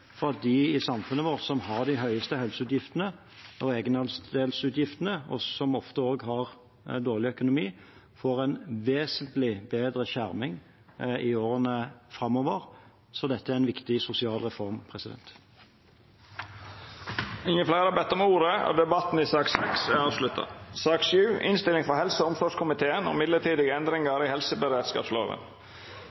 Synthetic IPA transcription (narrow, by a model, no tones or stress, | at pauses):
fɔɾɑt̪̚d̪ɪɪsɑmfʉnːəʋoːʁsɔmhɑʁd̪ɪɦœʏəst̪əhœlsəʉːt̪jɪft̪ənə | ɔeːɡənɑlsd̪eːlsʉːt̪jɪft̪ənəɔ̰sɔmɔft̪əoːɡɦɑʁ | d̪oːʁlɪœkʊnʊmiː | foːʁɛnʋeːsənt̪lɪbeːd̪ɾəɕæʁmɪŋ | ɪoːɾənəfɾɑmːoːʋəʁ | sɔd̪ɛt̪ːəæʁɛnʋɪkt̪ɪsʊsɪɑːlʁɛfɔʁmpʰʁɛsɪd̪ɛ̰nt̪ | ɪŋːəflæɪɾəbɛt̪ːɔmuːɾəɔ̰ːd̪ɛbɑt̪n̩ɪsɑːksɛksɑːʋslʉt̪ʰːə̰sɑːkʃʉːʔɪnst̪ɪlɪŋfɔɾhɛlsəɔmsɔʂkʰʊmɪt̪ʰeːənɔ̰ːmɪd̪ləʈʰiːd̪ɪɡəɛnd̪ɾɪŋəɾɪhɛlsəbəɾeːd̪skɑ̰ːpslo̰ːʋə̰n